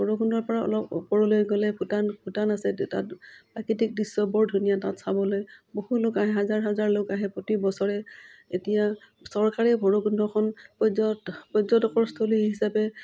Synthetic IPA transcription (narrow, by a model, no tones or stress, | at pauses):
bʱɔɹɔɡundɔɹpɔɹaɔ̰lɔpṵpɔɹɔlojɡɔlɛbʰʱutanpʰutanasɛta̰tpɹakitik̚disːɔbɔɹdʱunijatatsabɔlojbohulokaɦɛɦazaɹɦazaɹlokaɦɛpɹɔtibɔsɔɹɛetija | sɔɹkaɹɛbʱɔɹoɡundɔkʰɔnpɔzɔpɔzɔtɔkɔɹstʰoliɦisapɛ